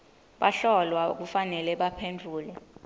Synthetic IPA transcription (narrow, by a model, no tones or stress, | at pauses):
ɓaɬɔlwak̬ufanɛlɛɓapʰend͡ɮʱuːlɛ